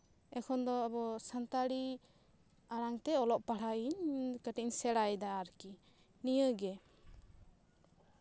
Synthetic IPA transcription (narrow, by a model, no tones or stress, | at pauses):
ɛkʰɔnd̪ɔːbɔsant̪aɽi | aɽaŋt̪ɛɔlɔʔpaɽ̤aiɲkəʈiɲsɛɽajd̪aːɾki | nijəɡɛ